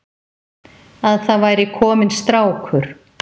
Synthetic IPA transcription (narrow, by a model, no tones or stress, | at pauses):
aðθaðvaːjɾɪkʰɔːmɪnst̪ɾaːwkʰvʏɾ̥